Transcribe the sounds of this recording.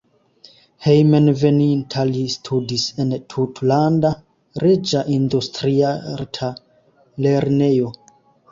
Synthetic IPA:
hejmenvenintʰalistʰudisentʰutlanda | ɾed͡ʒaʔindustɾiaɾtʰa | le̞ɾne̞jo̞

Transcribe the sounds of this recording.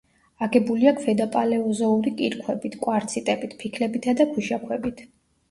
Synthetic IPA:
aɡɛbuliakʰvɛd̪apʼalɛɔzɔuɾikʼḭɾkʰwɛbit̪ʰkʼwaɾt̪sʰit̪ʼɛbit̪ʰpʰikʰlɛbit̪ʰad̪apʰuʃakʰwɛbit̪ʰ

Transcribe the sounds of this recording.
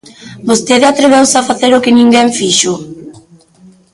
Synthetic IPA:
bost̪eðɪat̪ɾeβ̞ewsafaθeɾʊkɪnĩŋɡɛɱfiʃʊ

